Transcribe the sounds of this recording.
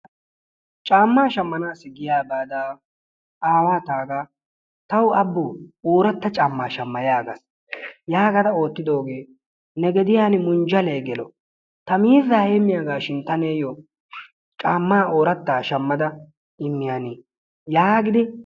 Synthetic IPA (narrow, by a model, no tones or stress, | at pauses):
t͡ʃʼaːmːaːʃɐmːɐnaːsɪɡɪjaːbaːd̪aː | aːwaːt̪aːɡa | t̪ɐwɐbːʊːoːɾɐt̪ːɐt͡ʃʼamːa̰ːʃɐmːɐjaːɡɐ̰s | jaːɡɐd̪ɐo̞ːt̪ːɪd̪o̞ːɡe̞ː | nɛɡɛd̪ɪjaːnɪmʊnd͡ʒɐleːɡɛlɔ | t̪ɐmiːzːɐheːmːɪjaːɡaːʃɪnt̪ɐneːjɔ | t͡ʃʼaːmːaːoːɾɐt̪ːaːʃɐmːɐd̪ɐ | ɪmːɪjaniː | jaːɡɪd̪ɪ